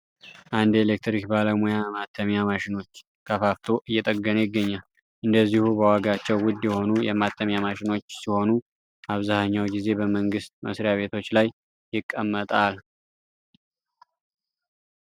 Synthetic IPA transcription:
ʔand̪elek̚t̪ɾikbaləmujamat̪ʰːəmjamaʃɪno̞t͡ʃː | kʰəfaft̪ʰoʔɨjːɛt̪ʼəɡːənujɪɡːəɲːal | ʔɨnd̪əzːihubəwaɡat͡ʃːɛwwʊd̪ːjɛho̞nujɛmat̪ʰːəmjamaʃɪno̞t͡ʃːsiho̞nu | ʔaβzahəɲːawɡize̞bəməŋɡɨst̪̚mə̰sɾijaβe̞t̪ʰo̞t͡ʃːlaj | jɪkʼːəmːət̪ʼal

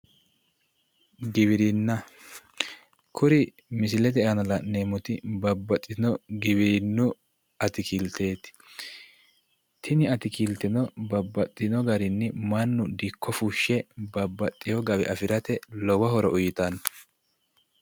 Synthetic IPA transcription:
ɡɪβɪɾinːɐ | kʰʊɾɪ | mɪsɪlɛd̪ɛʔɐnɐlɐʔneːmʊt̪ɪbɐbːɐt̪ʼːɪnɔɡɪbɪɾɪnːʊ | ɐt̪ɪkiːlt̪eːt̪ | t̪ʰɪnɪɐt̪ɪkiːlt̪ɪnɔbɐbːɐt̪ʼːɪnɔɡɐɾɪnːɪmɐnːʊd̪ikʰːɔfuːʃːɛbɐbːɐt̪ʼːɪjɔɡɐbɛ̰ʔɐfɪɾɐt̪ɛlɔwɐɦɔɾɔʔʊjɪt̪ɐn

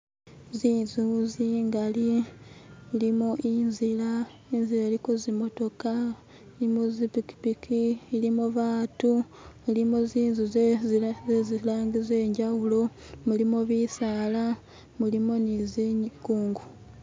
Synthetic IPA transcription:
ziːnzuziːŋɡali | limoʔinzila | inzilaɾiko̞zimo̞to̞ka | iimozipiki̥pikiːlimoβaːtu | milimoziːnzuzzezilaːŋɡizeːɲɟawulo̞ | mulimoβisaːla | mulimonizeɲkuːŋɡu

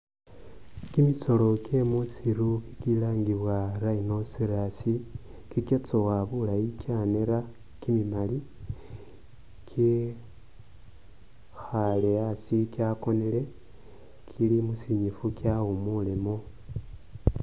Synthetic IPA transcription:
kimiso̞lo̞kemusiɾuki̥kilaːŋɡiβwaɾainosiɾasi | kiket͡sowaβulaikjaneɾa | kimimali | kʰi | xaleasikjako̞nele̞ | kʰilimusiɲifukjaomulimo

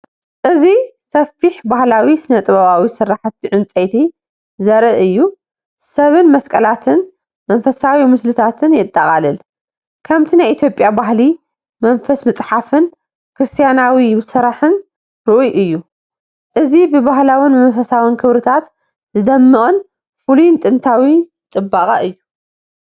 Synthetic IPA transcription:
ʔɨzisɐfːiħbahlawisɨnɐt̪ʼɨβaβawisɨɾaħt̪ʰːiʕɨnt͡sʼɐjt̪ʰi | zɐɾɨʔɨjːu | sɐβɨnmɐskʼɐlat̪ʰɨn | mɐnfɐsawimɨslɨt̪ʰat̪ʰɨnjɪt̪ʼːɐχʼalɨl | kʰɐmt̪ʰinajʔit̪ʰjo̞pʼjabaɦli | mɐnfɐsmɨt͡sʼħafɨn | kɾɨst̪ʰijanawisɐɾaħɨn | ɾɨʔujʔɨjːu | ʔɨzibɨβaɦlawɨnmɐnfɐsawinkʰɨβɾɨt̪ʰat̪ | zɨd̪ɐmːɨχʼɨn | fulujnt̪ʼɨnt̪ʰawi | t͡sʼɨbːaχʼɐʔɨjːu

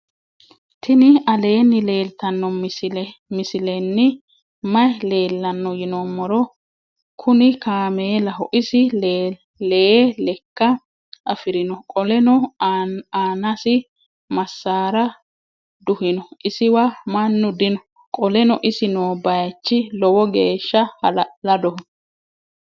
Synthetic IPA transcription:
t̪ʰɪnɪɐle̞ːnːɪle̞ːlt̪ɐnːɔ | mɪsɪlɛnːɪ | mɐjle̞ːlːɐnːɔjɪnɔmːɔɾɔ | kʰʊnɪkaːmelɐɦɔʔɪsɪ | lelɛkːɐ | ʔɐfɪɾɪnɔkʼɔlɛnɔ | aːnɐsɪ | mɐsːaːɾɐ | d̪ʊhɪnɔʔɪsɪwamɐnːʊd̪ɪnɔ | kʼɔlɛnɔʔɪsɪnoːbɐjɐt͡ʃːɪlɔwɔɡeːʃːɐhlɐd̪ɔhɔ

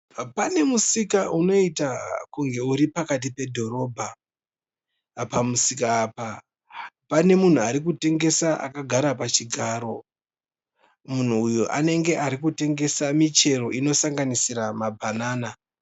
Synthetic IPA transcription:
pane̞musikaʔuno̞itakuŋɡe̞uɾipakat̬ipe̞dʱo̞ɾo̞ːbʱa | pamusikaːpa | pane̞mun̤uaɾikute̞ŋɡe̞saʔa̰kaɡʱaɾapat͡ʃiɡʱaːɾo̞ | mun̤uːjoʔane̞ŋɡe̞ʔaɾik̬ute̞ŋɡe̞samit͡ʃe̞ɾo̞ʔino̞saŋɡanisiɾamabʱanaːna

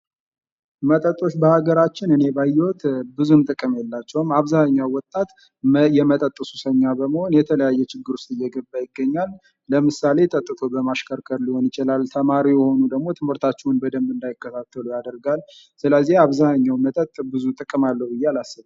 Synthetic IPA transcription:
mət̪ʼət̪ʼːo̞ʃbəhaɡəɾat͡ʃːɪnɨne̞bajːɛwɔt̪bɨzunt̪ʼɨkʼɨmjɛlːat͡ʃːɛwmaβzahɲːawwɔt̪ʼːat̪ | jɛmət̪ʼət̪ʼːəsusəɲːabəməho̞njɛt̪ʰələjajːɛt͡ʃɪɡːɨɾust̪ʼɨjːɛɡəbːajɪɡːəɲːalː | əmɨsale̞t̪ʼət̪ʼːɨt̪ʰo̞bəmaʃkʰəɾkʰəɾliho̞njɪt͡ʃɪlalt̪ʰəmaɾijɛho̞nud̪əɡmo̞t̪ʰɨmɨɾt̪ʰat͡ʃːɛwnbəd̪əmːɨnd̪ajɪkːət̪ʰat̪ʰːəlujad̪əɾɡal | sɨləzːiaβzaɲːawmət̪ʼət̪ʼbɨzut̪ʼɨkʼɨmalːəhwbɨjːɛalasːɨβ

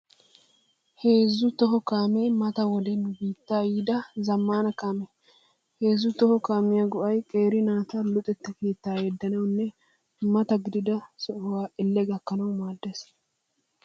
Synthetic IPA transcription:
heːzːʊt̪ɔɦɔkaːmeːmɐt̪ɐwɔd̪ɛnbiːt̪ːaːjiːd̪ɐzɐmːaːnɐkaːmɛ | he̞ːzːʊt̪ɔhɔkaːmɪjɐɡɔʔɐjkʼeːɾɪnaːt̪ɐlʊt̪ʼɛt̪ːɐke̞ːt̪ːaːjed̪ːɐnɐwnːɛ | mɐt̪ɐɡɪd̪ɪd̪ɐsɔʔwaːʔɪlːɛɡɐkːɐnɐwmaːd̪ːes

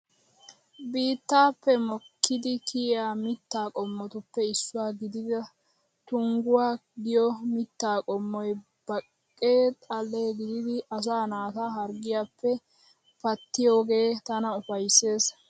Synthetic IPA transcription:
biːt̪ːaːpːɛmɔkʰːɪd̪ɪkʰɪaːmɪt̪ːaːkʼɔmːɔt̪ʊpːɛɪsːʊwaːɡɪd̪ɪd̪ɐ | t̪ʊŋɡʊwaːɡɪjɔmɪt̪ːaːkʼɔmːɔj | b̥ɐkʼːeːt̪ʼɐlːeːɡɪd̪ɪd̪ɪɐs̬aːnaːt̪aɦɐɾɡɪjaːpːɛ | pɐt̪ːɪjoːɡe̞ːt̪ɐnɐʊfɐjsːe̞ːs

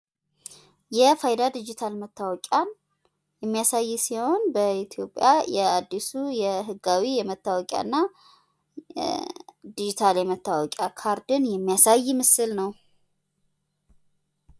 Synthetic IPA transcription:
jɛfajd̪ad̪ɨd͡ʒit̪ʰalmət̪ʰːawɔkʼan | jɛmːijasajːsiho̞nbəit̪ʰijo̞pʼːjajɛad̪ːisujɛɦɨɡːawijɛmət̪ːawɔkʼa̰nːa | d̪id͡ʒit̪ʰaljɛmət̪ːawɔkʼjakʰaɾd̪ɨnjɛmːijasajːmɨsɨlnəw

